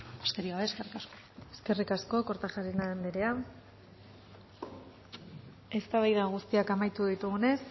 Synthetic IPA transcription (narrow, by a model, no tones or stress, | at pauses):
ast̪eɾiaβeeskerikasko | e̞ske̞rikasko̞ko̞ɾt̪axaɾinaðend̪iɾe̞a | e̞st̪aβajðaɣ̞ust̪iakamajt̪uðit̪uɣune̞s